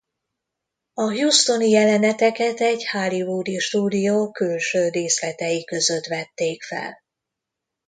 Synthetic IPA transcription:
ɒɦjust̪o̞nijɛlɛnɛt̪ɛkɛt̪ɛɟhalivuːd̪iʃt̪uːd̪ijoːkylʃøːreːslɛt̪ɛjikø̞zø̞t̪ʋɛt̪ːeːkfɛ̰l

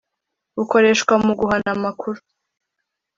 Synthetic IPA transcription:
βuko̞ɾe̞ʃkwamuɡuɦanamakʰuɾu̥

